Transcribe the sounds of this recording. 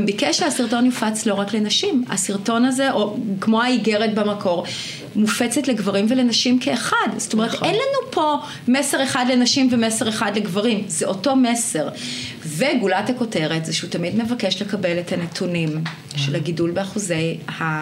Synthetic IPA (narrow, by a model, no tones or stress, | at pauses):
mbikeʃehasiʁto̞njufat͡slo̞ʁaklenaʃima̰siʁto̞nazeʔo̞kmo̞aiɡeʁetbamakʰo̞ʁ | mufet͡setleɡvaʁimvelenaʃimkʰeːχadz̥o̥t̪omeʁt̪enlanupʰo̞ | mese̞ʁeχadlenaʃimvemeseʁeχadleɡvaʁimzeʔoto̞mese̞ʁ | veɡulatako̞te̞ʁetzeʃeutamidme̞vake̞ʃle̞kabelethanetʰunim | ʃelhaɡidulbeaχuze̞jha